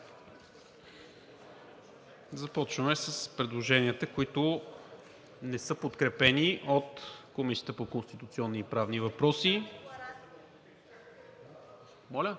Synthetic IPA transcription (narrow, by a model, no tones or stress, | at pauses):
zɐpɔt͡ʃvəmɛsəspɾɛd̪lˠoʒɛniət̪əkoit̪ʊ | nɛsɤpot̪kɾɛpɛniʔot̪komisi̥ət̪əpokonst̪it̪ut̪siɔnːiːpɾavnivɐpɾɔsi | mɔlʲə